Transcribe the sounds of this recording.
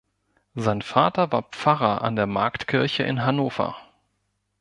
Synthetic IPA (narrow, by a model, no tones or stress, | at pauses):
zaɪnfaːtɐvaːɐp͡faʁɐʔa̰ndeːɐmaɐktkʰɪɐçəʔɪ̰nɦanoːfɐ̰